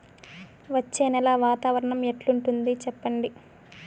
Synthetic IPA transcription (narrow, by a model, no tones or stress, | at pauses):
ʋɐt͡ʃːeːnɛlaːʋaːt̪aːʋɐɾɐɳɐmeʈluɳʈund̪it͡ʃɛpːɐɳɖi